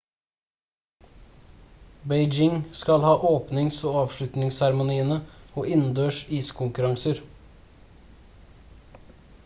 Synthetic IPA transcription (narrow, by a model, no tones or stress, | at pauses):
beɪd͡ʒɪŋskɑlhɑːʔoːpnɪŋsoːɑːʋʃɭʉt̪nɪŋsæɾmʊniːənəoːʔɪnn̩d̪øːʃiːskʰʊŋkʉɾɑŋsəɾ